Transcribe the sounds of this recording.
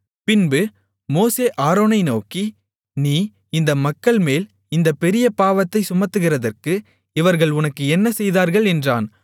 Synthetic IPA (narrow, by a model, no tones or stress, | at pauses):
pɪnbɯ | moːseːʔaːɾoːnɐɪnoːki | niː | ɪnd̪ɐmɐkːɐɭmeːl | ɪnd̪ɐpɛɾɪjɐpaːʋɐt̪ːɐɪsʊmɐɾt̪ːɯɣɪrɐðɐrkɯ | ɪʋɐɾɣɐɭʊnɐkːɯɛnːɐsɛjðaːɾɣɐɭɛndraːn